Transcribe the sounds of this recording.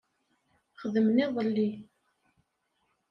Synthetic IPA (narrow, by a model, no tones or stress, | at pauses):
χəðəmniðˤəlːi